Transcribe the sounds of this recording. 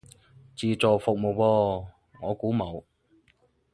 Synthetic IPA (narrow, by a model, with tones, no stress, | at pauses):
t͡siː˨t͡sɔː˨fʊ˨k̚mo˨wpɔː˧ | ŋɔː˨˧kuː˨˥mo˨˧w